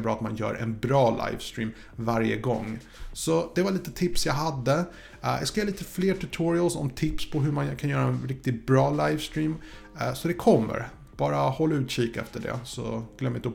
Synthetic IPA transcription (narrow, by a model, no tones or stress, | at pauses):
bɾɑːat̪manjœ̰ːɾʔɛ̰nbɾɑːlʔa̰jvst̪ɾiːm | vaɾjə̰ɡɔ̰ŋː | sɔd̪̥ɛvaliːt̪ət̪ʰɪpsjaɡɦad̪ːə | jʔa̰skajːliːt̪əfleːʈʰʉt̪ʰuɾɪəlsɔ̰mt̪ʰɪpspʰɔɦɵmankʰanjœːɾaɛnɾɪk̚t̪ɪt̚bɾɑːlajvst̪ɾiːm | sɔd̪ɛkʰɔmːə̰ɾ | b̥ɑːɾahɔlːaʉ̟ːt̪ʃiːkɛ̰ft̪əɖɛ̰sɔ̰ɡ̥lœmːɪn